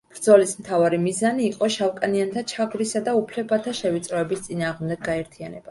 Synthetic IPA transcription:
b̥ɾd̪zɔlismt̪ʰavaɾimizaniːqʼɔʃavkʼaniant̪ʰat͡ʃʰaɡɾisad̪aupʰlɛbat̪ʰaʃɛvit̪sʼɾɔɛbist̪sʼinaːʁmd̪ɛɡ̚ːaɛɾt̪ʰianɛb̥a

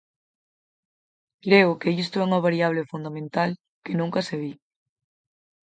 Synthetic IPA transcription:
kɾeʊkeist̪oɛuŋɐβaɾiaβ̞lefund̪amẽnt̪al | kenũŋkɐseβi

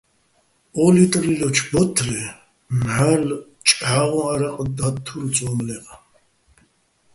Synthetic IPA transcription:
ɔlit̪ʼrilɔt͡ʃʰbɔt̪ʰrɛ | mħal | t͡ʃʼʕaʁɔ̃aɾaqʼd̪at̪ʰːult͡sʼɔmlɛqʼ

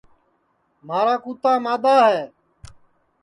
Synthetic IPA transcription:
maːɾaːkuːt̪ãːmaːd̪aːɦɛː

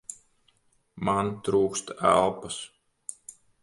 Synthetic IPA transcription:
mant̪ɾuːkst̪æ̰lˠpas

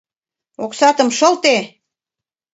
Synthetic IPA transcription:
oksɑt̪ə̆mʃɤlt̪e

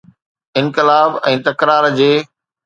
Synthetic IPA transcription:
ɪ̃nkɪlaːbɛ̃ːt̪ɐkɾaːɾd͡ʑeː

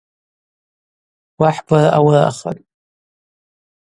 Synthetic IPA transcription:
waħbaraʔawara̰χa̰tʼ

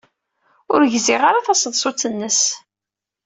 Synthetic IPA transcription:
ʊ̰ɾʝzɪʁaɾaθɑsˤəðsˤʊt͡sːənːəs

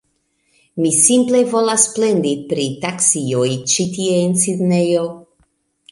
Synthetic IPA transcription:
misimplevolasːplend̪ipɾit̪aksiojt͡ʃit̪ieːnsid̪nejo

